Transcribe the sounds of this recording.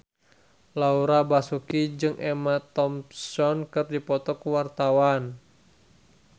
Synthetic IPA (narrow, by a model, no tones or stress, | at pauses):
lauɾabasukid͡ʒɨŋʔɛmat̪ɔmsɔnkɨrdipɔt̪ɔkuwart̪awan